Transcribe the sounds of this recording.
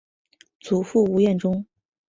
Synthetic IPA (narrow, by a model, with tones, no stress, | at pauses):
t͡su˨˩fu˥˩u˧˥jɛ˥˩nʈ͡ʂʊ˥ŋ